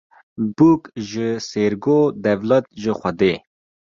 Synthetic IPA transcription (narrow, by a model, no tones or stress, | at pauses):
bukʒəseɾɡoːd̪ɐvlɐt̪̚ʒəxʷɐd̪e